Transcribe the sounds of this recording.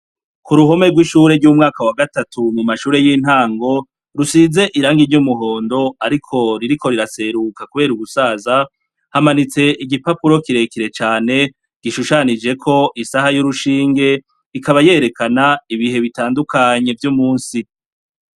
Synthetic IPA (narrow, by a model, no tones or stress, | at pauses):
kuɾuɦo̞me̞ɡwiʃuːɾe̞ɾɟuːmŋaːkawaɡatatumumaʃuːɾe̞jiːn̥haːŋɡo̞ | ɾusize̞ʔiɾaːŋɡiɲjumuɦo̞ːndo̞aɾikʰo̞ɾiɾiko̞ɾiɾase̞ɾukakuβe̞ːɾuɡusaːza | hamanit͡se̞ʔiɡipapuɾo̞kiɾe̞kiɾe̞t͡ʃaːne̞ | ɡ̥iʃuʃanid͡ʒe̞kʰo̞ʔisahajuɾuʃiːŋɡe̞ | ikaβaje̞ɾe̞kanaiβihe̞βitaːndukʰaɲe̞vjumuːnsi